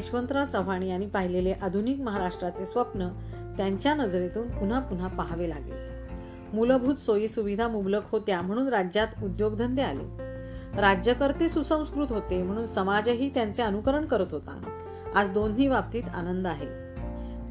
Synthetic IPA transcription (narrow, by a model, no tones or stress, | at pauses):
eɕʋənt̪ɾat͡səʋ̤aɽ̃iaɽ̃ipaɦileleʔad̪ʱunikməɦaɾaʂʈɾat͡sesʋəpnə | t̪jaɲt͡ɕjanəd͡zɾet̪uːnpun̤apun̤apaɦʋela̰ɡḛl | muləbʱuːt̪soiːsuʋid̪ʱamubləkhot̪jam̤əɽ̃uːnɾad͡ʑjat̪ud̪joɡd̪ʱənd̪ealḛ | ɾad͡ʑjəkəɾt̪esusə̃w̃skɾuːt̪ɦot̪em̤əɽ̃uːnsəmad͡ʑɦiːt̪jant͡seənukəɾəɳkəɾət̪ɦot̪ã̰ | ad͡zd̪onɦiːʋapt̪iːt̪a̰nənd̪aɦḛ